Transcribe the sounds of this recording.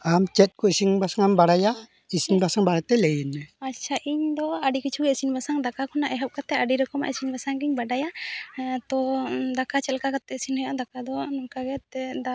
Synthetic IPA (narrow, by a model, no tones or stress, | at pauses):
amt͡ʃɛt̪̚ˀkɔisiŋbasaŋambaɽaja | isinbasaŋbaɽat̪ɛlɛjnɛat͡ʃʰaʔiɲd̪ɔaɖikit͡ʃʰuɡɛisinbasaŋd̪akakʰɔnaʔɛɦɔp̚kat̪ɛaɖiɾɔkɔma̰ʔɛsinbasaŋɡiɲbaɖaja | t̪ɔd̪akat͡ʃɛlkakat̪ɛsinhɔjaʔd̪akad̪ɔnɔŋkaɡɛt̪ɛd̪a